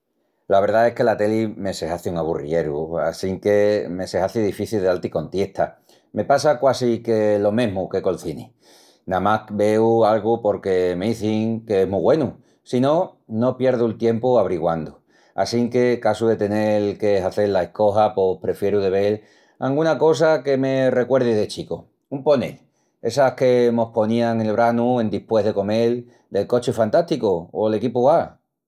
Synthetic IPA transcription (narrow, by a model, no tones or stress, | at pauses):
laβe̞ɾðae̞hke̞lat̪e̞lime̞se̞haθiuŋaβ̞urie̞ɾua̰siŋke̞me̞se̞haθiðifiθilðealt̪iko̞nt̪je̞ht̪ʰa | me̞pasakwasikelo̞mẽ̞ɦmuke̞ko̞lθini | nãmakbe̞ualɣupo̞ɾke̞meiθiŋke̞eɦmuɣwe̞nu | sino̞no̞pje̞ɾð̞ult̪je̞mpuaβɾiɣwand̪u | a̰siŋke̞kasuðe̞t̪e̞nekesaθe̞lae̞hko̞ɦapohpɾe̞fje̞ɾuðe̞β̞e̞l | a̰ŋɡunako̞s̬ake̞me̞re̞kwe̞ɾðiðe̞t͡ʃiko | umpo̞nḛ | e̞sahke̞mo̞hpo̞nĩaŋe̞lβ̞ɾanuend̪ihpwe̞ɦðe̞ko̞me̞l | d̪e̞lko̞t͡ʃefant̪aht̪ikoːle̞kipuɣa